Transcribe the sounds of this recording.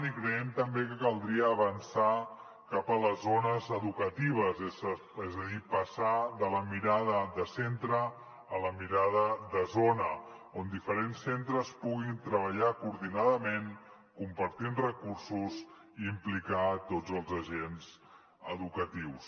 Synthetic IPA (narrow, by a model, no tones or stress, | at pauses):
nikɾəɛmt̪əmbekəkəlˠd̪ɾiəːβənsa | kapələzonəzəðukət̪iβ̞əze | ɛzəðipəsaðələmiɾaðəðəsent̪ɾəː | ləmiɾaðəðəzonə | ond̪ifəɾensːent̪ɾəspuɣint̪ɾəβ̞əʎakuɾðinaðəmen | kumpəɾt̪inrəkursus | iːmplikat̪ozəlˠzəʒenz | əðukət̪iws